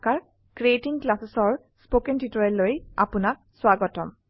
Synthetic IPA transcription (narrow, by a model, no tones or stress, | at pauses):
kaɹ | kɹietiŋklasesɔɹ | spokɛntitɔɹɛlːoja̰punak̚swaɡɔtɔm